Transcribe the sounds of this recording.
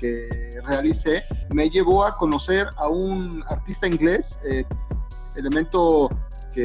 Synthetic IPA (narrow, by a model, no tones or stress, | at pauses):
ke | realiseme̞ʝe̞βo̞ako̞no̞se̞ɾaunaɾt̪ist̪aiŋɡle̞s | e | ele̞mẽnt̪o̞ | ke